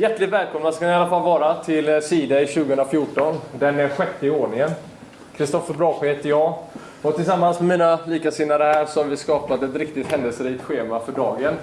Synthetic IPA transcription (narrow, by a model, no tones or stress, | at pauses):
jæʈːlɪt̪vɛːlkʰɔmnaskanɪalːafalːvɑːɾat̪ʰɪlsiːd̪aɪɕʉ̟ːɡəɵnɾafjʊʈɔnd̪ɛnæɾɧɛt̪ːəɪoːɳɪŋən | kʰɾɪst̪ɔfːəɾbɾɑːɧheːt̪ːəɾjɑː | ɔt̪ʰɪlsamːansmɛmiːnaliːkasɪnːaɾəhæːɾʂɔamvɪskɑːpat̪ɛt̪ɾɪkt̪ɪt̪hɛnd̪əlsəɾit̪ɧeːmafœɖɑːɡən